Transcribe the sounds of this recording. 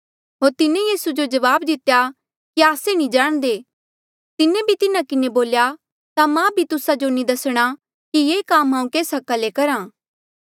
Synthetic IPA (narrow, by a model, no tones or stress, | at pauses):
ɦoːɾt̪ɪnẽjiːsud͡ʒod͡ʒɐʋaːbd̪ɪt̪ja | kiaːsenĩd͡ʒaːɽ̃d̪eː | t̪ɪnẽbʱit̪ɪnãkɪneboːlja | t̪amãbʱit̪ʊsad͡ʒonĩd̪ɐsɽ̃a | kijeːkaːmɦãːũkeːsɦɐkalekɐɾãː